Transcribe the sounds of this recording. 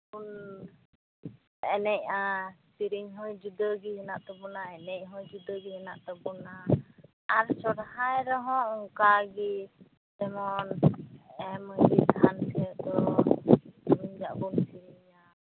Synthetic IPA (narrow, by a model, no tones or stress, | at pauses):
bun | ɛnɛc̚asiɾiɲɦɔjd͡ʒud̪əɡiɦɛnaʔt̪ɔbɔnaɛnɛc̚ɦɔjd͡ʒud̪əɡiɦɛnaʔt̪ɔbɔnaː | ɾsɔɽhajɾɔɦɔ̃uŋkaɡi | t̪ɛmɔn | ɛməɡid̪ansʰɛɔʔd̪ɔ | ɾiɲd͡ʒaʔbunsiɾiɲa